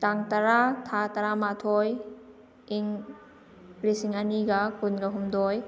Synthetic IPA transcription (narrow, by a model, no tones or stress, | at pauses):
taŋtaɾatʰataɾamatʰoj | iŋ | ɾisiŋɐniɡɐkunɡɐɦumdoj